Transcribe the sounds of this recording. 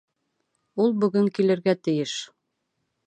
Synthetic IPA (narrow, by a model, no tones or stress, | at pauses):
ulˠbɵ̆ɡɵŋkilɘ̆ɾɡæt̪ɘ̆jɘʃ